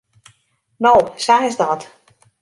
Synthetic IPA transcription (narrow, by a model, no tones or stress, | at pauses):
nowsaɪzdɔt